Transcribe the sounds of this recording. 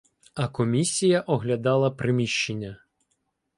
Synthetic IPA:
ɐkɔmʲisʲijɐʔɔɦlʲɐd̪ɑlˠɐpɾʔɪmʲiʃt͡ʃenʲːɐ

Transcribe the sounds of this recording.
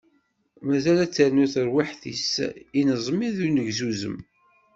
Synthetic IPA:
mæzælæt͡sːəɾnuθəɾwiħθḭsinəzˤmiðunəʝzuzə̰m

